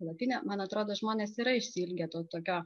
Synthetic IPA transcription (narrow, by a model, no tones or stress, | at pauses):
lˠɐt̪ʲɪnʲɛmɐnɐt̪ɾoːd̪oːʒmoːnʲeːsiːɾɐɪʃʲsʲɪlʲɡʲeːt̪oːt̪oːkʲoː